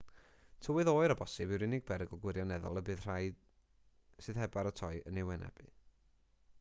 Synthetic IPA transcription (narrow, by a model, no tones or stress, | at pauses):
tʰəwɨðoːɨɾɔbɔsɨbɪwɾɪnɪɡ̚bɛɾɛɡɔɡwɪɾjɔnɛðɔ̰lˠəbɨːð̥r̥ajd | sɨːðɦɛbaɾətʰɔɨənɛwɛnɛ̰b̥ɨ̰